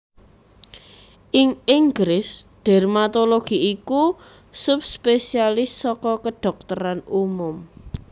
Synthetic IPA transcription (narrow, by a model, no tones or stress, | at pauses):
ʔɪŋiŋɡɾɪsɖ̪̥ɛ̤rmat̪oloɡ̥i̤iku | sʊp̚spesialɪsːɔkɔkəɖ̥ɔ̤k̚t̪əɾanumʊm